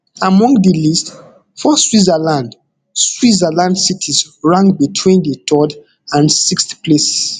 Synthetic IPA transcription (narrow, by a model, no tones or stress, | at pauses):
amɔ̃ŋɡdəlist | fɔswizəlãnd | swizalãndsitʰisɹãŋbitʰwĩndətʰɔd | ãnsiksplesi̥s